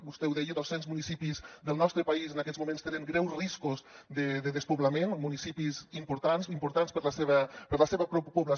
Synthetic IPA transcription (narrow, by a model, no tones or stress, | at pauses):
bust̪ɛwðɛjəðɔsenzmunisipizðəlˠnɔst̪ɾəpɐizənakɛzmumẽnst̪enəŋɡɾɛwzriskuzd̪əðəðəspuβlɐmenmunisipizimpuɾt̪ansimpuɾt̪anspəɾləseβəpəɾləseβəpɾupuβlə